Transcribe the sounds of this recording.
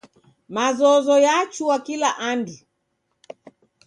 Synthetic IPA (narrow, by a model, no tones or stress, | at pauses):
mazɔzɔjat͡ʃuwakilaʔandu